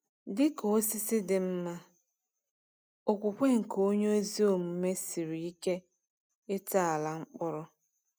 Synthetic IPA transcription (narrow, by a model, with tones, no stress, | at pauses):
dɪ˦ko˨˦si˦sɪ˦dɪ˨m̩˦ma˦ | o˨kʷu˨kʷe˦ŋ̩˨ko˦ɲo˦zi˦o˨m̩˨˦me˦si˨ɾi˨i˦ke˦ | ɪ˦ta˦a˨la˨ŋ͡m̩˦k͡pʊ˦ɾʊ˦